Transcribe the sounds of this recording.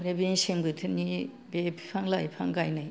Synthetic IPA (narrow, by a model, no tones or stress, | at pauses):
ɾebeŋsemɡɯtʰɯni | bepʰi̥pʰaŋlajpʰaŋɡajnaj